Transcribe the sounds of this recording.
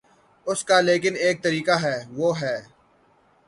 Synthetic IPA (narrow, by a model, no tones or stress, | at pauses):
ʊskaleːk̬ɪneːk̚t̪ɐɾiːkaɦɛːʋoːɦɛː